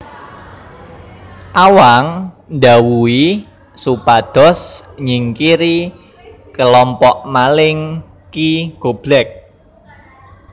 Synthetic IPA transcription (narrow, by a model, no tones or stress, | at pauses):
ʔawaŋ | nd̪awui | supad̪̥ɔ̤sɲiŋkiɾi | kəlɔmpɔʔmalɪŋ | kiɡ̥ob̥lɛk̚